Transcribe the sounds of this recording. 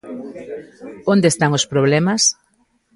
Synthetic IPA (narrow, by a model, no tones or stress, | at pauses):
õnd̪est̪aŋospɾoβ̞lɛmɐs